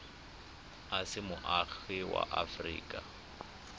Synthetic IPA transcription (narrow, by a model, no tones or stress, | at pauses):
asɪmʊʔaɣɪwa̰ʔafrḭːkʼa